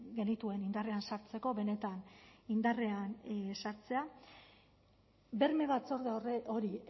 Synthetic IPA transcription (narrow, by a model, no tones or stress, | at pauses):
ɡe̞nit̪ue̞nind̪are̞ansaɾt͡se̞ko̞βe̞ne̞t̪anind̪are̞ansaɾt͡se̞a | be̞ɾme̞βat͡so̞ɾðeoo̞ɾi